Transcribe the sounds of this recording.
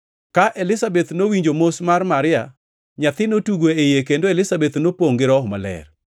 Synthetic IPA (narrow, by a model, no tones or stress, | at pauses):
kaʔelɪsabɛt̪nowiɲd͡ʒomosmarmaɾɪja̰ | ɲat̪ɪnotuɡweejekendoelɪsabet̪nopoŋɡɪɾɔhɔma̰lɛ̰r